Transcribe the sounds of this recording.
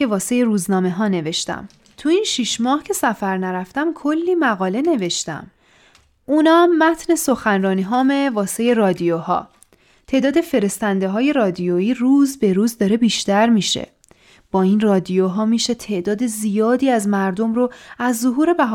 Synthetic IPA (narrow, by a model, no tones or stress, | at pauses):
evɒːsejeɾuːznɒːme̞ɦɒːne̞ve̞ʃt̪æ̰m | t̪ʰuinʃiʃmɒːhcʰe̞sæfæɾnæɾæft̪æmkʰolːiːmæɣɒːle̞ne̞ve̞ʃt̪æ̰m | ʔunɒːmːæt̪ʰne̞so̞xænrɒːniːɦɒːmevɒːsejerɒːd̪ijohɒ̰ː | t̪ʰe̞ʔd̪ɒːd̪e̞fe̞ɾe̞st̪ænd̪eɦɒːje̞ɾɒːd̪ijoiːruːzbe̞ɾuːzd̪ɒːɾe̞biːʃt̪æɾmiːʃḛ | b̥ɒːinrɒːd̪ijoɦɒːmiːʃe̞t̪ʰe̞ʔd̪ɒːd̪ezijɒːd̪iːæzmæɾd̪o̞mɾoæzːoɦuːɾe̞bæɦ